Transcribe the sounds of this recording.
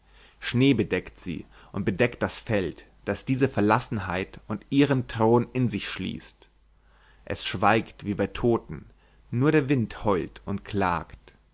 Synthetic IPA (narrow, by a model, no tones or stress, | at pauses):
ʃneːbədɛktz̥ḭː | ʔʊ̰nt̚b̥ədɛkt̚d̥asfɛlt | d̥asd̥iːzəfɛɐlasn̩ɦaɪtʊntʔiːʁəntʁ̥oːnɪnzɪçʃlḭːst | ʔɛ̰sʃv̥aɪktv̥iːbaɪtʰoːtn̩ | nuːɐɾeːɐvɪnthɔʏltʊntkʰl̥a̰ːkt